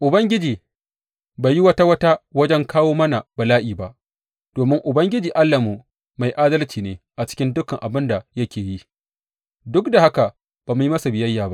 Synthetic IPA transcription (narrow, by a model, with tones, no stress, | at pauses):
ʔʊ˨bɐ˦ŋɡʲɪ˦d͡ʒiː˨ | ba˨ji˦wɐ˦ta˦wɐ˦ta˦wɐ˦d͡ʒɛ˦ŋkʰaː˦woː˦mɐ˦na˨ba˨laː˦ʔiː˨ba˨ʔ | d̥oː˨mɪ˦ŋʔʊ˨bɐ˦ŋɡʲɪ˦d͡ʒiː˨ʔa˦lːa˨mu˨ | ma˨jʔaː˦dɐ˦lt͡ʃiː˨neː˦ʔa˨t͡ʃɪ̥˦kʲɪ˦ndʊ˦kɐ˨ŋʔa˨bɪ˦nda˨jɐ˦kʲeː˨ji˦ | dʊ˦kda˨ha˦ka˨ | b̥aː˨mʊ˦ji˦mɐ˦sa˨bɪ˨jɐ˦jːaː˨ba˦ʔ